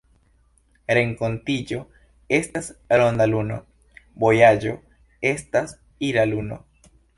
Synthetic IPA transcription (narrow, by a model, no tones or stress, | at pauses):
ɾe̞ŋko̞ntid͡ʒo̞ | e̞stasɾo̞nd̪aluno̞̰ | bo̞jad͡ʒo̞ | e̞stas | iɾaluno̞̰